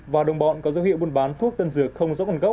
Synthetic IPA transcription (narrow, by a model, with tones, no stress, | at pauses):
vaː˨˩ɗə˨˩wŋ͡mɓɔ̰˧˨nkɔ˨˦zə˨˦whḭ˧˨əwɓu˧nɓaː˨˦nt̪ʰu˦˥ək̚t̪ə˧nzɨ˧˩əxə˧wŋ͡mzɔ̰˧˦˥ə˨˧˩nɣa˦˥k͡p̚